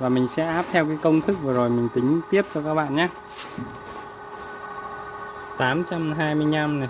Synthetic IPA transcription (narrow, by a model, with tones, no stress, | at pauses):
vaː˨˩mï˨˩ŋ̟sɛ̰˧˥ʔaː˦˥p̚t̪ʰɛ˧wkaː˨˦jkə˧wŋ͡mt̪ʰɨ˦˥k̚vɨ˨˩zo˨˩jmï˨˩ŋ̟t̪ï˨˦ŋ̟t̪i˦˥əp̚t͡ɕɔ˧kaː˦˥k̚ɓa̰ː˧˨nɲaː˦ | t̪aː˨˦mt͡ɕa˧mɦaː˧jmɨ˧əjɲa˧mna˨˩